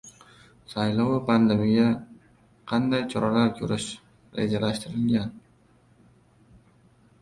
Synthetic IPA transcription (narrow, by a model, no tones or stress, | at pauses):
sajlɒwpʰand̪emija | qʰɑnd̪ajt͡ʃʰɒɾalaɾkʲʰɵɾɪʃ | ɾḛd͡ʒalaʃt̪ɪɾɪlɡʲan